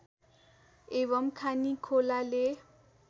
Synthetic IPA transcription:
eβʌmkʰanikʰolale

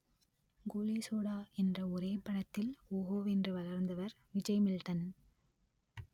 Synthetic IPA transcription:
ɡoːlisoːɽaːɛndrɐɔɾeːpɐɽɐt̪ːɪloːɣoːʋɛndrɯʋɐlɐɾnd̪ɐʋɐɾ | ʋɪd͡ʒɐɪmɪlʈɐn

